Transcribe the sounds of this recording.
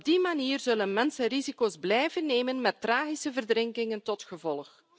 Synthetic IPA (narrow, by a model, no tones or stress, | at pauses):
ɔb̚dimaniːrzɵlənmɛnsərizikoːzblɛjvənːeːmənmɛtːraːɣisəvərdɾɪŋkɪŋəntɔtxəvɔlˠx